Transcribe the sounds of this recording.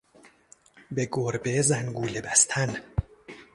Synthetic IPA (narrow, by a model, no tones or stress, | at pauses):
beɡoɾbezæŋɡuːlebæst̪ʰæn